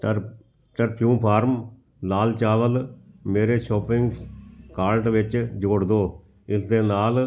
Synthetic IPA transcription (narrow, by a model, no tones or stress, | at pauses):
ʈəɾpʰjũːpʰaːɾm | laːlt͡ʃaːʋəlmeːɾeːʃɔːpɪŋɡskaːlʈʋɪt͡ʃd͡ʒoːɽd̪õː | ɪsd̪eːnaːl